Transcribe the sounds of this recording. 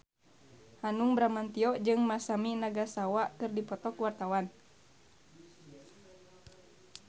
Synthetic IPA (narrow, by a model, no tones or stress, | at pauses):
hanuŋbɾamant̪iɔd͡ʒɨŋmasaminaɡasawakɨrdipɔt̪ɔkuwart̪awan